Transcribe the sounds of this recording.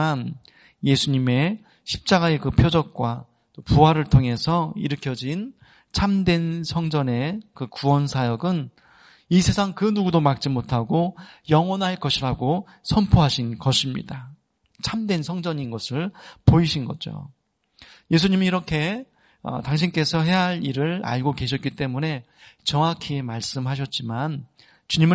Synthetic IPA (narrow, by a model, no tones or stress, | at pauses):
an | je̞sʰuɲime̞ | ɕʰi̥p̚t͡ɕ͈aɡae̞kɯpʰjod͡ʑʌk̚k͈wa̰ | t͈opuɦaɾɯɭtʰoŋe̞sʰʌiɾɯkʰjʌd͡ʑin | t͡ɕʰamdwe̞nsʰʌŋd͡ʑʌne̞kɯkuwʌnsʰajʌɡɯn | isʰe̞sʰaŋkɯnuɡudomak̚t͡ɕ͈imotʰaɡojʌŋwʌnɦaɭk͈ʌɕʰiɾaɡo | sʰʌmpʰoɦaɕʰinɡʌɕʰimɲḭda | t͡ɕʰamdwe̞nsʰʌŋd͡ʑʌɲinɡʌsʰɯɭpoiɕʰinɡʌ̰d͡ʑo̰ | je̞s̬ʰuɲimiːɾʌkʰe̞ | ʌ̰taŋɕ̬ʰink͈e̞sʰʌɦe̞ɦaɾiɾɯɭa̰ɭɡoke̞ɕ̬ʰʌt̚k͈it͈e̞mune̞ | t͡ɕʌŋakʰimaɭs͈ɯmɦaɕ̬ʰʌt̚t͡ɕ͈iman | t͡ɕuɲimɯ